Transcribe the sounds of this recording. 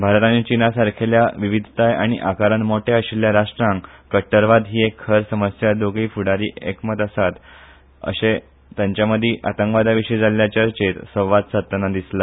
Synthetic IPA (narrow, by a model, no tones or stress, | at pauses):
bʱaɾt̪anit͡ɕinasaɾkʰeljaʋiʋid̪ʱt̪ajaɽ̃iʔakaɾənmoʈeəɕiljaɾaʂʈɾãŋkkːəʈːəɾʋad̪ɦiːekʰːəɾsəməsjad̪oɡiːfuɽaɾiːʔekmət̪əsat̪ | ə̰ɕe | t̪jãɲt͡ɕjaməd̪ʱːiʔat̪ə̃ŋkʋad̪aʋiʂəid͡zaljat͡ɕəɾt͡ɕet̪səʋat̪sət̪ːənad̪isla